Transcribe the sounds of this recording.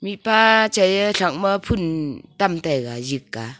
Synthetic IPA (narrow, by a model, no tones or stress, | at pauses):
mipat͡ʃajəɬʰaŋ̚məpʰuntamtajɡa̰jɯkːa̰